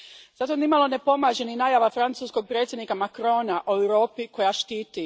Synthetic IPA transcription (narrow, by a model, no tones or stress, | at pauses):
z̥at̪onimalˠo̞nepo̞maːʒeninaːjaːʋafɾant̪suːskoɡ̚pɾet̪sje̞d̪nikamakɾo̞naʔoewɾo̞ːpiko̞jaʃt̪iːt̪i